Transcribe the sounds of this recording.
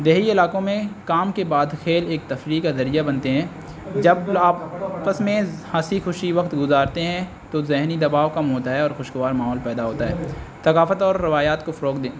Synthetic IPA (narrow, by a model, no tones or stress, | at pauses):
d̪eːɦiɪlaːkõmẽkaːmkebaːd̪xeːleːk̚t̪ɐfɾiːkazɐɾijabɐnt̪eɦɛ̃ː | d͡ʒɐbaːpəsmẽhaːsixʊʃiʋɐkt̪ɡʊzaːɾt̪eɦɛ̃ | t̪ozɪɦnid̪ɐbaːʋkɐmɦoːt̪aɦɛɔːɾxʊʃɡʊʋaːɾmaːɦɔːlpɛːd̪aɦoːt̪aɦɛːsɐkaːfət̪ɔːɾːɪʋaːjaːt̪kofɐɾoːkd̪ẽː